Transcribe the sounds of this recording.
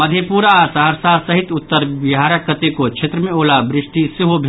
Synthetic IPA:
məd̪ʱjepuːɾaːsaɦɾsaːɾsɐɦɪt̪ʊt̪ːəɾʋɪɦaːɾakːət̪ekot͡ʃʰet̪ɾəmẽoːlabɾɪʂʈisɪɦobʱ

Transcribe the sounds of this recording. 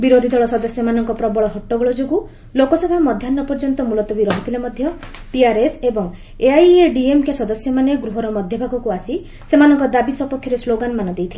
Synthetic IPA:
biɾod̪ʱid̪ɔɭɔsɔd̪ɔsjɔmanɔŋkɔpɾɔbɔɭɔɦɔʈːɔɡɔɭɔd͡ʒoɡu | lokɔsɔbʱamɔd̪ʱjanːɔpɔɾd͡ʒɔnt̪ɔmulɔt̪ɔbiɾɔɦit̪ʰilemɔd̪ʱjɔ | piaɾesebɔŋ | eajeɖiemkjasɔd̪ɔsjɔmaneɡɾuɦɔɾɔmɔd̪ʱjɔbʱakɔkuasi | semanɔŋkɔd̪abisɔpɔkʰːjɔɾesloɡanmanɔd̪ejt̪ʰile

